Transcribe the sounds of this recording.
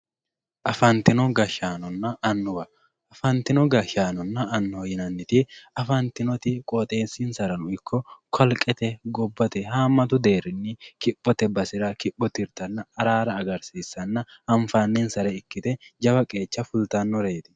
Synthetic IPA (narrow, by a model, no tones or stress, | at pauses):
ʔɐfɐnt̪ɪnɔɡɐʃaːnɔnːɐɐnːʊbɐ | ɐfɐnt̪ɪnɔɡɐʃaːnɔnːɐɐnːɔɔjɪnɐnːɪt̪ɪɐfɐnt̪ɪnɔt̪ɪkʼɔt̪ʼe̞ːsinsɐɾɐnʊɪkːɔkʰɐlkʼɛt̪ɛɡɔbːɐt̪ɛɦaːmːɐt̪ʊd̪e̞ːɾɪnːɪkɪpːɔt̪ɛbɐsɪɾɐkɪpːɔt̪ɪɾt̪ɐnːɐɐɾaːɾɐːɡɐɾsiːsːɐnːɐhɐɱfaːnːensɐɾɛɪkːɪt̪ɛd͡ʒɐbɐkʼe̞ːt͡ʃːɐfʊlt̪ɐnːɔɾe̞ːt̪ɪ̥